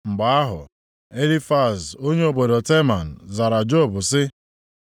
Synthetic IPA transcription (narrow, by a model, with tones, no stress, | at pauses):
ŋ͡m̩˨ɡ͡ba˨a˦ɦʊ̰˨ | e˦li˦fa˦˨so˦ɲe˦o˨bo˨do˨te˦ma˨n̩˨za˨ɾa˨d͡ʒo˦˨bʊ˨sɪ˦